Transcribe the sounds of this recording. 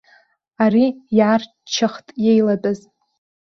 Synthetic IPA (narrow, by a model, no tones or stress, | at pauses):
arijar | t͡ʃʰːaχtʼje̞jladʼɨz